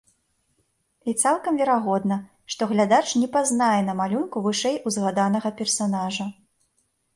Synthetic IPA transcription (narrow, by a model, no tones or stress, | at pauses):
it̪salˠkɐmvʲɛɾaɣɔd̪nɐ | ʂt̪ɔɣlʲad̪at͡ʂnʲɛpaznajɛnɐmalʲunkuvɨʂɛjʔuzɣad̪anɐɣɐpʲɛrsanaʐɐ